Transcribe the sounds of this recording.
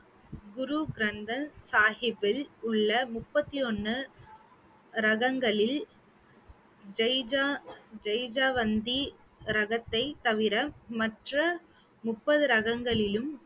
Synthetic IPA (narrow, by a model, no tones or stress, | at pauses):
ɡʊɾuɡɾɐnd̪ɐnsaːhɪbɪlʊɭːɐmʊpːɐt̪ːiɔnːɯ | ɾɐɣɐŋɡɐɭɪl | d͡ʒɐjd͡ʒad͡ʒɐjd͡ʒaːʋɐnd̪i | ɾɐɣɐt̪ːɐɪt̪ɐʋɪɾɐmɐʈrɐ | mʊpːɐðɯɾɐɣɐŋɡɐɭɪlɯm